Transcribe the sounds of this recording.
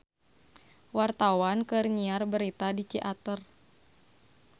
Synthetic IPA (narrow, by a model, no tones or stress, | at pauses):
wart̪awankɨrɲiarbəɾit̪adit͡ʃiʔat̪ər